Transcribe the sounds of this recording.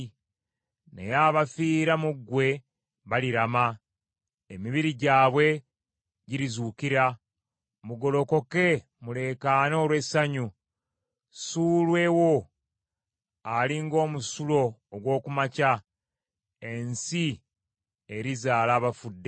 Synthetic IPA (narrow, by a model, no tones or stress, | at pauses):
ne̞̰jaːβafiːɾamuɡwe̞ | βaliɾama | emiβiɾiɟaːβwe̞ | ɟiɾizuːkiɾa | muɡo̞lo̞ko̞ke̞ | mule̞ːkano̞ːlwe̞saɲu | suːlwe̞wo̞ | aliŋɡo̞ːmusulo̞ːɡwo̞ːkumaca | e̞nsi | eɾizaːlaːβafudːe